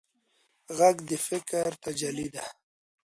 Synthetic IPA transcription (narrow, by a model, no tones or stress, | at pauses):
ɣaɡd̪əfɪkɾt̪ad͡ʒalid̪a